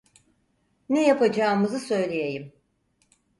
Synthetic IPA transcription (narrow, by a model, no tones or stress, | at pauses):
nejapad͡ʒaːmɯzɯsø̞jlʲejejim